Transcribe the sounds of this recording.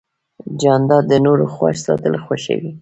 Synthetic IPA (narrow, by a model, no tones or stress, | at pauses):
d͡ʒɑnd̪ɑd̪ənoɾoxwaʃsɑt̪əlxwaʃḛɡi